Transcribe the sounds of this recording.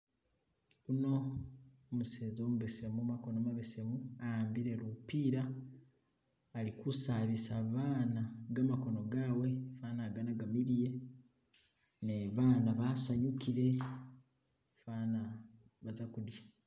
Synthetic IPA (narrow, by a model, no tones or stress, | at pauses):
uno̞ː | museːzo̞ːmuβesemumako̞nomaβesemuambiɾe̞ɾupiɾa | likusaβisaβaːnaɡamako̞no̞ɡaːwe̞faːnaɡanaɡamiɾije̞ | neβaːnaβasaɲukiɾe̞ | faːna | βazakudja